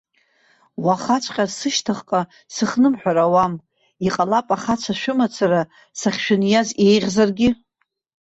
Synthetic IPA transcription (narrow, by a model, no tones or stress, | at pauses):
waχat͡ʃʷʰʼqʲʼasɨʃtʰaχqʼa | sɨχnɨmħʷᶣaɾawam | iqʼalapʼaχat͡ʃʷʰaʃᶣʊmat͡sʰaɾa | saχʲʃᶣʊnjaze̞jʁʲzarɡʲɪ